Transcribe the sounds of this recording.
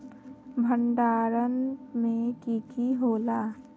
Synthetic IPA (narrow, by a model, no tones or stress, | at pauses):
bʱəɳɖaːɾənmẽkiːkiɦoːlaː